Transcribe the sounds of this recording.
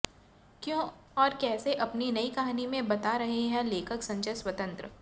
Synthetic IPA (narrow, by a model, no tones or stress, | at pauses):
kjõː | ɔːɾkɛːseʔɐpninɐikɐɦaːnimẽbɐt̪aɾɐɦeɦɛ̃leːkʰəksɐ̃ɲt͡ʃəswɐt̪ə̃nt̪ɾə